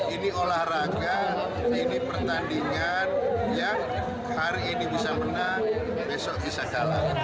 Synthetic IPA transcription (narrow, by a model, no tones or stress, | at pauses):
iniolahraɡa | inipərt̪andiŋanjaŋ | haɾiːnibisamənar | mɛsɔʔ̚d̪isaɡ̥ala̰